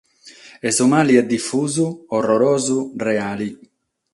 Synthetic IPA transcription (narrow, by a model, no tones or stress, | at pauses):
ɛsumaːliɛd̪ːifːuːzuɔrɔɾɔːzurɛaːli